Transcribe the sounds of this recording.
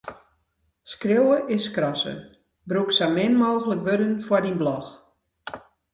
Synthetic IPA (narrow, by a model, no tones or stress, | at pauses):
skrowəʔɪskrɔsə̰ | bruksamɪnmoːɣələkʋødənfwɔɹdinblɔx